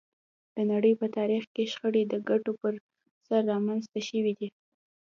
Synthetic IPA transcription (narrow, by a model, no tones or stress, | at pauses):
d̪̥ənaɽəjpət̪ɑɾixkeʃxəɽed̪əɡaʈopəɾ | saɾːɑmanzt̪aʃəwid̪i